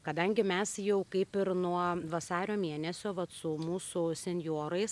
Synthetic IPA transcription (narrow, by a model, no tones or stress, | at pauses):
kɐd̪ɐŋʲɡʲɪmʲɛsjɛʊkɐɪpɪɾnuɔʋɐsɑːɾʲoːmʲiɛnʲɛsʲoːʋɐt̪sʊmuːsʊsʲɛnʲjoːɾɐɪs